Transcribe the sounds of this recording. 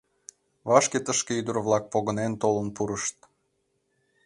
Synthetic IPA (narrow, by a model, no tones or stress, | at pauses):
βɑʃket̪əʃkeyd̪ərβlɑk̚poɣənent̪olənpuɾəʃt̪̚